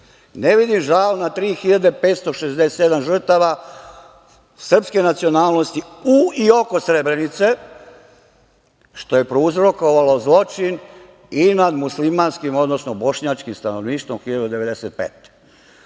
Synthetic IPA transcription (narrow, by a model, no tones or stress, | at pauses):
neʋid̪imʒalnat̪ɾiːxiʎad̪epeːt̪st̪o̞ʃezd̪eset̪ed̪amʒr̩t̪aʋa | sr̩pske̞nat̪sio̞naːlˠno̞st̪iuio̞ko̞sɾebɾe̞nit̪se̞ | ʃt̪o̞je̞pɾouzɾo̞ko̞ʋalozlˠo̞t͡ʃin | inad̪muslimaːnskimo̞d̪nosnobo̞ʃɲat͡ʃkimst̪anoʋniːʃt̪ʋomxiʎad̪ud̪e̞ʋe̞d̪eset̪̚pḛːt̪